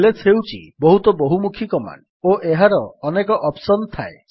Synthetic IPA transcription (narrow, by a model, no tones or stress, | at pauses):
letʰewt͡ʃʰḭbɔɦut̪ɔboɦumukʰikɔma̰n | oʔeɦaɾɔːnekɔʔɔpsɔnɔt̪ʰae